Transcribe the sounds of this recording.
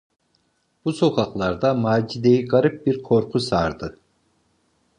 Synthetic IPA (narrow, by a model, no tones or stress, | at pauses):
b̥uso̞kʰaklˠaɾd̪amaːd͡ʒid̪ejiɡaɾɯp̚biɾkʰo̞ɾkʰusaɾd̪ɯ